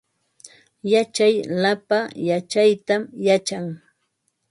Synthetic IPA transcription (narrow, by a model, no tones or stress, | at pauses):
jat͡ʃajlapajat͡ʃajt̪amjat͡ʃaŋ